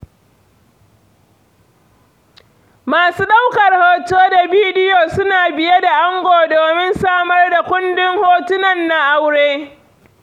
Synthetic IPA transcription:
maː˨suː˦ɗa˦wkɐ˨rhoː˨t͡ʃoː˦da˨biː˦dɪ˦joː˨sʊ˦naː˨bɪ˨je˦da˨ʔa˦ŋɡʷoː˨doː˨mɪ˦nsaː˦mɐ˦rda˨kʷʊ˦ndɪ˦ŋhoː˦tʊ˦nɐ˨nːa˦ʔa˦wɽeː˦

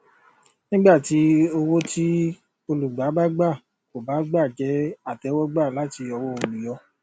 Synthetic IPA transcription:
nĩ˦ɡ͡ba˦˨ti˨˦o˧wo˦ti˦ | o˧lu˨ɡ͡ba˨˦ba˦ɡ͡ba˦˨ | ko˨ba˨˦ɡ͡ba˦˨d͡ʒɛ˨˦a˦˨tɛ˨˦wɔ˦ɡ͡ba˦˨la˨˦ti˧ɔ˧wɔ˦o˨lu˨jɔ˧˦

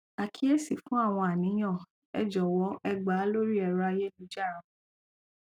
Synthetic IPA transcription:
a˨kʰi˦e˦si˨fũ˦a˦˨w̃ɔ̃˧a˨nĩ˨˦j̃ã˦˨ | ɛ̰˨d͡ʒɔ˨wɔ˨˦ʔɛ˧ɡ͡ba˨˦lo˦ɾi˦ɛ˧ɾa˧je˦lu˧˦d͡ʒa˦˨ɾ̃ã˨

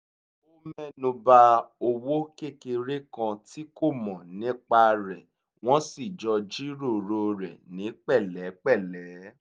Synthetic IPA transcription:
o˦mɛ˦˨nũ˧ba˧o˧wo˦ke˦˨ke˧ɾe˦kã˧ti˦ko˦˨mɔ̃˨nĩ˦k͡pa˧ɾɛ˨ | w̃ɔ̃˦si˦˨d͡ʒɔ˧d͡ʒi˦ɾo˦˨ɾo˧ɾɛ̰˨nĩ˨˦k͡pɛ˦˨lɛ˨˦k͡pɛ˦˨lɛ˨˦

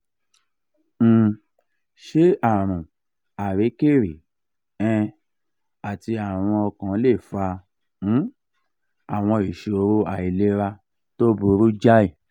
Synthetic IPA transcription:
ʃe˦a˦˨ɾ̃ũ˨ | a˨ɾe˨˦ke˦˨ɾe˨ | ɛ̃˧ | a˨ti˧a˨w̃ɔ̃˧ɔ˧kã˨˦le˦˨fa˧ | ũ˨˦ | a˨w̃ɔ̃˧i˨ʃe˨o˧ɾo˦a˨i˨le˦ɾa˧ | to˦bu˧ɾu˦d͡ʒa˦i˦˨

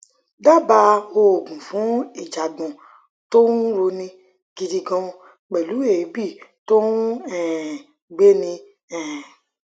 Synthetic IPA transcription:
da˦ba˧o˧˨ɡũ˨fũ˨˦e˨d͡ʒa˨ɡ͡bɔ̃˨ | to˦nu˦ɾo˧nĩ˧ | ɡ̥i˧di˧ɡɔ̃˧ | k͡pɛ˨lu˨˦e˨˦bi˦˨to˦nũ˦ɛ̃˨ | ɡ͡be˦nĩ˧ | ɛ̃˨

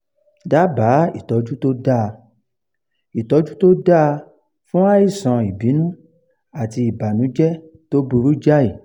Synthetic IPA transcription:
da˦ba˨˦i˦˨tɔ˨˧d͡ʒu˦to˦da˦˨˧ | i˨tɔ˨˧d͡ʒu˦to˦da˦˧ | fũ˦a˦i˦˨sã˨i˨bi˨˦nũ˦ | a˦˨ti˧i˨ba˨nũ˨˦d͡ʒɛ˦ | to˦bu˧ɾu˦d͡ʒa˦i˦˨

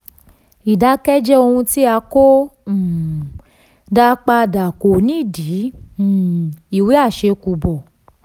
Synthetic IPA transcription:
i˨da˨˦kɛ˦d͡ʒɛ˦o˧hũ˧ti˦a˧kõ˦˨ | da˦k͡pa˧da˨ko˨nĩ˨˦˨dĩ˨˦˨ | i˨wi˨˦a˦˨ʃe˧ku˧bɔ˨

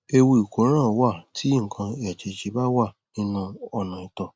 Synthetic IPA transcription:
e˧wu˧˨i˨ko˨˦ɾ̃ã˦˨wa˦˨tʰi˨˦ŋ̩˨kʰã˧e˨ɛ˨t͡ʃe˧˨t͡ʃe˧˦ba˦wa˦˨ | nĩ˦nũ˧ɔ˧nã˨i˨tɔ˨

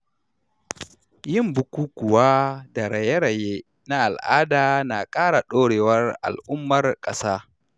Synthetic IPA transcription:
jɪ˦mbʊ˨˦kʷuː˦kʷʊ˨waː˦da˨ɽɐ˨je˦ɽɐ˨je˦ | na˦ʔa˨lʔaː˦daː˨na˨kʼaː˦ɽa˨ɗoː˦ɽeː˨wɐ˦ra̰˨lʔʊ˦mːɐ˨rkʼɐ˦saː˦

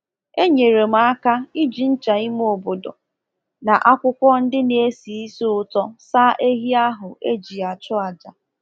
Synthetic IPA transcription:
e˦ɲe˨ɾe˨m̩˨˦a˦ka˦i˦d͡ʒi˨n̩˦t͡ʃa˨i˦m˦o˨bo˨do̰˨ | na˨ʔa˦kʷʊ˦kʷɔ˦n̩˦dɪ˦ne˨e˦si˨i˦so˦ʊ˦tɔ˦sa˦ʔe˦ɦi˦a˦ɦʊ˨ʔe˦d͡ʒi˨a˨t͡ʃʊ˦a˨d͡ʒa˨

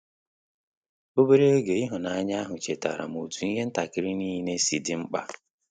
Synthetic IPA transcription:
o˦be˦ɾe˦o˦ɡe˨ɪ˦ɦʊ˨na˨a˦ɲa˦ɦʊ˨t͡ʃe˨ta̰˨ɾa̰˨mu˨tu˨i˦ɦe˦n̩˦ta˨kɪ˨ɾɪ˦niː˦ɦne˦si˨dɪ˦ŋ͡m̩˦k͡pa˦

